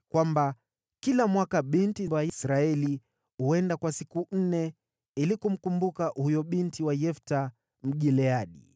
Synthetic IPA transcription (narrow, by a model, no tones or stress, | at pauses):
kwamba | kilamwakaɓintibwajsɾaɛli | huɛndakwasikun̩nɛ | ilikum̩kumbukahujɔɓintiwajɛfta | m̩ɠilɛaɗḭ